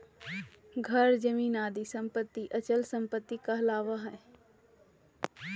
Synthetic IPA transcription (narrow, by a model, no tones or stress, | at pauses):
ɡʱɐɾd͡ʒɐmiːnaːd̪isɐ̃mpət̪ːiʔɐt͡ʃəlsɐ̃mpət̪ːikaɐlaːʋaɦɛː